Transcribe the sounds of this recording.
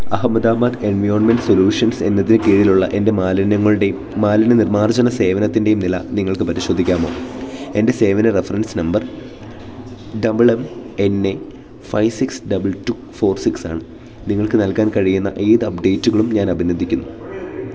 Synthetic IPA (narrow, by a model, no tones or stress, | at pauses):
ɐ̰hɐmːɐd̪aːmɐd̪e̞nʋɐjoːrnme̞nɖso̞ljuːʂɐnse̞nːɐðinɨkiːɻiluɭːɐ̰ʔe̞nde̞lɐnɐŋːɐɭe | maːlinɐnirmaːrd͡ʑɐnɐse̞ːʋɐnɐt̪ːinde̞jumnilɐ̰niŋːɐɭkɨpɐɾiɕo̞ːd̪ʱikʲːaːmo̞ːe̞nde̞se̞ːʋɐnɐrefɐrɐnsnɐmbɐr | ɖɐbɨɭeme̞ne | fɐjʋsiksɖɐbɨltu | fo̞ːrsiksa̰ːɳɨ | niŋːɐɭkɨnɐlkaːnkɐɻijunːɐ̰ʔejðɨɐp̚ɖe̞ːtːuɣɐɭumɲaːnɐbʱinɐd̪ːikʲːunːu